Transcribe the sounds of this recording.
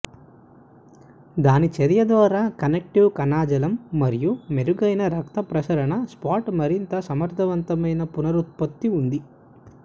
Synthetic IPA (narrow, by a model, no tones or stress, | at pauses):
d̪aːnit͡ʃɐɾijɐd̪ʋaːɾaːkɐnek̚ʈiwkɐnaːd͡ʒɐlɐmːɐɾijumeɾuɡɐjnɐɾɐk̚t̪ɐpɾɐsɐɾɐɳɐspaːʈmɐɾint̪ɐsɐmɐɾt̪ʰɐʋɐnt̪ɐmɐjnɐpunɐɾut̪̚pot̪ːiund̪i